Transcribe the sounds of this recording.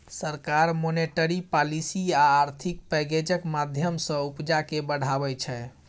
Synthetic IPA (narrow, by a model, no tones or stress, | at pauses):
səɾkaɾmoneʈəɾipalisiaːɾt̪ʰik̚pɛɡed͡ʒəkmad̪ʱjəmsə̃upd͡ʒakebəɽ̤ʱabɛt͡ʃʰɛ